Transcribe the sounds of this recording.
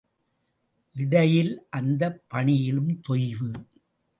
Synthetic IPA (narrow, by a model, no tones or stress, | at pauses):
ʔɪɽɐjɪlʔɐnd̪ɐpːɐɳɪjɪlɯmt̪ɔjʋɯ